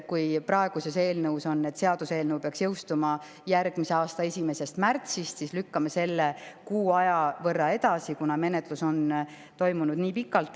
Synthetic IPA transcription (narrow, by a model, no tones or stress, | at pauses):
kujpɾɑe̞ɡ̥use̞se̞ːlnɤuso̞nːed̪se̞ɑd̪̥use̞ːlnəwpeɑksjɤwst̪umɑ | jæɾɡ̥mise̞ɑːst̪ɑe̞sʲime̞se̞st̪mært̪sist̪sislykːɑme̞se̞lːekuːɑjɑvɤrːɑe̞d̪̥ɑsikunɑme̞net̪ˑluso̞n | t̪o̞jmunud̪̥niːpikːˑɑlt̪ˑ